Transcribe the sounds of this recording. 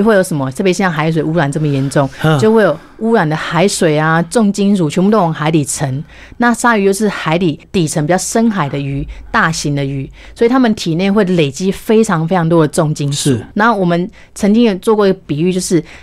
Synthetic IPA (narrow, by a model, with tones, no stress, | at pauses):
xwe˥˩ɪjo˧˥ʊʂə˨˧˦mə˦t̪ʰɤ˥˩pjʂjɑ˥˩xa˧˦ɪʂ̬we˨˩ɪu˥ɻa˨˩nt͡sə˥˩mə˩jɛ˧˥nʈ͡ʂʊ˥˨ŋjo˥˧ʊxwe˥˩ɪjo˨˩ʊu˥ɻa˨˩nd̪ə˨xa˧˥ɪʂwe˨˩ɪa˨t͡sʊ˥˨ŋt͡ɕi˥ŋʂu˨˩t͡ɕʰɔ˧˥pu˥˩t̪o˥˩˨ŋxa˧˥ɪt̪i˨˩t͡sʰə˧˥ŋ | na˥˨ʂa˥y˧˥t͡ɕjo˥˧ʊʂɻ̩˥˩xa˧˥ɪt̪i˨˩t̪i˨˩t͡sʰə˧˦ŋpi˨˩t͡ɕjɑ˥˩ʂə˥nxa˨˩ɪd̪ə˦y˧˥t̪a˥˩ɕi˧˥nd̪ə˨y˧˥˦ | swi˨˩t̪ʰa˥mə˨nt̪ʰi˨˩njɛ˥˧nxwe˥˩ɪle˨˩ɪt͡ɕi˥fe˥ɪʈ͡ʂʰɑ˧˥ŋfe˥ɪʈ͡ʂʰɑ˧ŋt̪wɔ˥d̪ə˩ʈ͡ʂʊ˥˨ŋt͡ɕi˥ŋʂu˨˩˦na˧˥wɔ˨˩mə˦n | t͡sʰə˧˥ŋt͡ɕi˥ŋjo˨˩ʊt͡swɔ˥˧kwi˧˥ɡə˩pi˨˩y˥˧t͡ɕjo˥˧ʊʂɻ̩˥˩